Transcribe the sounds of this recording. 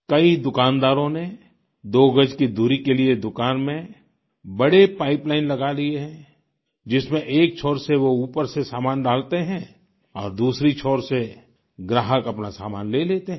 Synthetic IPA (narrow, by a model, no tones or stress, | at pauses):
kɐid̪ʊkaːnd̪aːɾõne | d̪oːɡəd͡ʒkid̪ʱuɾikelied̪ʊkaːnmẽ | bɐɽepaːɪplaːɪnlɐɡalieɦɛ̃ | d͡ʒɪsmẽʔeːk̚t͡ʃʰɔːɾseʋouːpəɾsesaːmaːnɖaːlt̪eɦɛ̃ | ɔːɾd̪uːsɾit͡ʃʰɔːɾse | ɡɾaːɦəkɐpnasa̰ːmaːnleːleːt̪eɦɛ̃